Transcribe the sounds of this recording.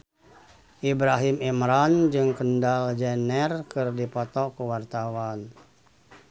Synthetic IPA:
ʔibɾaɦimimɾand͡ʒɨŋkəndald͡ʒɛnɛrkɨrdipɔt̪ɔkuwart̪awan

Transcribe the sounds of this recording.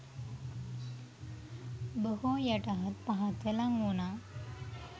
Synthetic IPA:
bəɦojɐʈaɦɐt̪̚paɦat̪elaŋɡuna

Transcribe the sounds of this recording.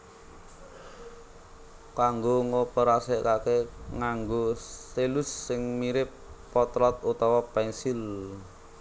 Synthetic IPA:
kaŋɡoŋopəɾasɛʔkakeŋaŋɡoselʊsːɪŋmiɾɪpː | ɔt̪ɾɔt̪̚ut̪ɔwɔpɛnsil

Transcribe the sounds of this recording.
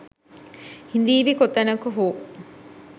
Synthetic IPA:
hind̪iːʋikot̪ɐnɐkuɦuː

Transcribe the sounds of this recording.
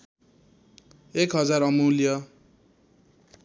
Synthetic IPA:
ekɦʌd͡zaɾʌmulijʌ

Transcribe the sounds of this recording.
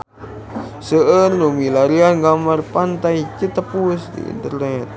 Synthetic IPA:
səʔənlumilaɾianɡamarpant̪ajt͡ʃət̪əpusdḭḭnt̪ərnɛt̪̚

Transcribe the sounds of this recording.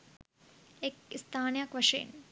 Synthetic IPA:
ekist̪ʰaːnjaːkʋɐʂḛːn

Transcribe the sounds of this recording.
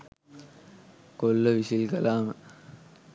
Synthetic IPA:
kolːɐʋisilkɐlaːmə

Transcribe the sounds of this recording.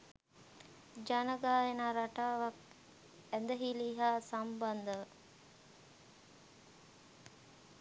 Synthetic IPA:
d͡ʒanəɡaːjenaːɾaʈaːʋak | ænd̪əɦiliːɦaːsamband̪əʋə

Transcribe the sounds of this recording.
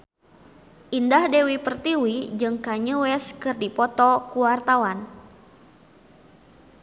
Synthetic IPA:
ʔindahdewipərt̪iwid͡ʒɨŋkaɲəwɛskɨrdipɔt̪ɔkuwart̪awan

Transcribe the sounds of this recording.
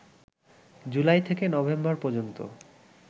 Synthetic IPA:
d͡ʑulajt̪ʰekenɔbembaɾpɔd͡ʑont̪o̰

